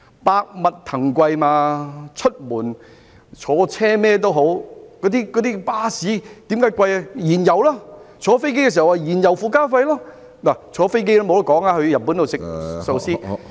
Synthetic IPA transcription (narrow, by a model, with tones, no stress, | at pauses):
paː˧k̚mɐ˨t̚t̪ʰɐ˨˩ŋkʷɐ˧jmaː˧t͡ʃʰɵ˥t̚muː˨˩n | t͡ʃʰɔː˨˥t͡sʰɛː˥mɛː˥t̪̬o˥wɦo˨˥wkɔː˨˥t̪iː˥kɔː˨˥t̪iː˥paː˥siː˨˥t̪i˨˥mkaː˨˥jkʷɐ˧ja˧jiː˨˩njɐ˨˩wlaː˥t͡ʃʰɔː˨˧˥fe˥jk̬kɛ˧s̬i˨˩˨waː˧jiː˨˩njɐ˨˩wfuː˧kaː˥fɐ˧jlaː˥ | naː˨˩t͡ʃʰɔː˨˧fe˥jk̬e˥jla˥mo˨˧wt̪kɔː˨˥ŋaː˧hɵ˧ɥjɐ˨˩n̚pːu˨˥nt̪sɪ˨k̚so˧wsiː˥